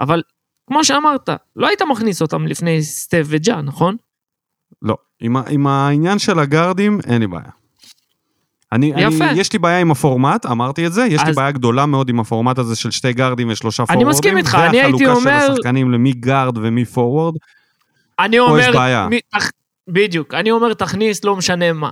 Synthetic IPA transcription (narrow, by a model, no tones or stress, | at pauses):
ʔaval | kmo̞ʃeamaʁt̪a̰lo̞ait̪amaχniso̞t̪amlifne̞jst̪eved͡ʒanaχo̞n | lo̞̰ | imaʔimainjanʃe̞laɡaʁd̪imḛnlibḛːja̰ | aniajjafjeʃlibeːjaimafo̞ʁmat̪amaʁt̪ietze̞jeʃlieːjaɡd̪o̞lameo̞d̪imafo̞ʁmat̪azeʃe̞lʃte̞jɡaʁd̪iɱveʃlo̞ʃafanoimasʁdkimiχaːniaailut̪ikaoʃmesʁaχkanimlemiɡaʁd̪vemifo̞ʁwaʁd̪ | anioojeʁbeaja̰mit̪a | bid̪jukanio̞me̞ʁt̪aχnislo̞meʃane̞ma̰